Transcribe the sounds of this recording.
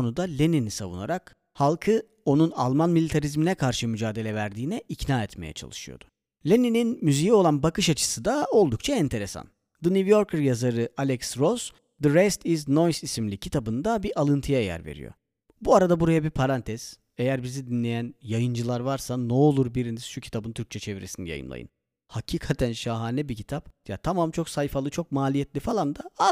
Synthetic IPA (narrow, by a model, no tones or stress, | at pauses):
onud̪alʲeninisavṵna̰ɾak | halˠkʰɯ | o̞nuna̰lˠmanmilʲit̪ʰaɾizminɛkʰaɾʃɯmyd͡ʒaːd̪e̞lʲɛvæɾd̪iːnɛʔicnaːɛt̪mejɛ̰t͡ʃʰa̰lˠɯʃɯjo̞̰d̪ʊ̥ | lʲenininmyzijɛo̞lˠanbakɯʃat͡ʃʰɯ̥sɯd̪ao̞lˠd̪uk̚t͡ʃʰaɛnt̪ʰe̞ɾe̞sa̰n | d̪ɯnivjo̞ɾkʰɯɾjazaɾɯʔalʲɛksɾos | d̪ɯɾɛst̪izno̞jsisimlʲicʰit̪ʰabɯnd̪abiʔalˠɯnt̪ʰɯjaejæ̰ɾvḛɾḭjo̰ | buaɾad̪abuɾajabipʰaɾant̪ʰɛz̥ | e̞jæɾbizid̪inlʲe̞jænjajɯnd͡ʒɯlˠaɾvaɾsanɛolˠuɾbiɾiniz̥ʃucʰi̥t̪ʰabɯnt̪ʰyɾc̚t͡ʃʰɛt͡ʃʰe̞viɾesinija̰jɯ̰nlˠa̰jɯ̰n | hacʰiːkʰat̪ʰænʃaɦaːnɛbicʰi̥t̪ʰapja̰t̪ʰamamt͡ʃʰo̞ksajfalˠɯt͡ʃʰo̞k̚maːlʲijɛt̪lʲifalˠand̪aa